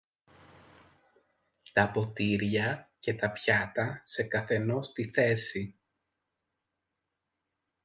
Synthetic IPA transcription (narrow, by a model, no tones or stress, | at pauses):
t̪ɐpo̞t̪iɾʝɐce̞t̪ɐpçɐt̪ɐse̞kɐθe̞no̞st̪iθe̞si